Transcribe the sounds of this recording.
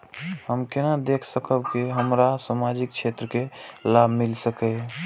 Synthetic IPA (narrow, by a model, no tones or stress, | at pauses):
həmkɪnad̪ekʰsəkəbkiɦəmɾasamad͡ʒik̚t͡ʃʰet̪ɾəkelabʱmɪlsəke